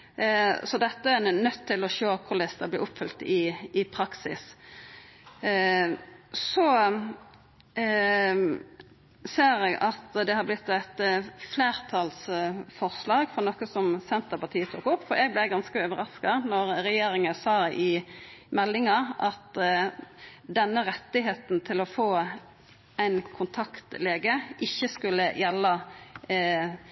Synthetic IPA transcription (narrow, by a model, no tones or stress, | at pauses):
sɔd̪ɛt̪ːəænːœt̪ʰːɪlɔʃøːkʰʊlɛst̪əblɪ̰ːʔʊpːfʏlt̪ɪɪpʰɾɑksɪ̰s | sɔ | seːɾɛɡɑt̪d̪ɛhɑblɪt̪ːæt̪fleːɾt̪ʰɑlsfɔʁslɑːɡfɔɾnɔkəsɔmsɛnt̪əpɑt̪ʰiːət̪ʰṵːkʊpːfɔɾɛɡ̚blɛːɡɑnskəøːʋəɾɑskɑnɔɾɾɛjeːɾɪŋəsɑːɪmɛlːɪŋɑʔɑt̪ | d̪ɛnːəɾɛt̪ːɪɦeːt̪n̩t̪ʰɪlɔfoː | æɪnkʰʊnt̪ʰɑkt̪leːɡəʔɪçːəskʉlːəjɛlːɑ